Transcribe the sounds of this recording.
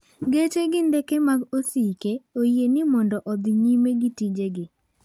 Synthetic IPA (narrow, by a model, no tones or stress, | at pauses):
ɡet͡ʃeɡɪndɛkemaɡosikeojenɪmɔndɔʔɔd̪ɪɲimeɡɪtid͡ʒeɡɪ